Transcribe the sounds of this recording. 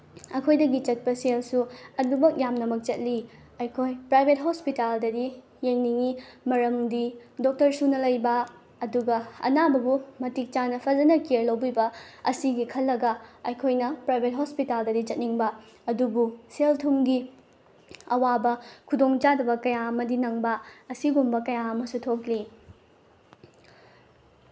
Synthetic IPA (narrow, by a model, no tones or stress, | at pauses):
ɐkʰojdɐɡit͡ʃɐt̚pɐselsuɐdubɐk̚jamnɐmɐk̚t͡ʃɐt̚li | ɐjkʰojpɾajbʱet̚ɦospitaldɐdi | jeŋniŋimɐɾɐmdidok̚tɐɾsunɐlɐjbɐː | duɡɐɐ̰nabɐbumɐtik̚t͡ʃanɐpʰɐd͡ʒɐnɐkeɾlɐwbibɐɐsiɡikʰɐlːɐɡɐɐjkʰojnɐpɾajbʱet̚ɦospitaldɐdit͡ʃɐt̚niŋbɐ | ɐdubuseltʰumɡi | ɐwabɐkʰudoŋt͡ʃadɐbɐkɐjaɐmɐdinɐŋbɐɐsiɡumbɐkɐjaɐmɐsutʰok̚li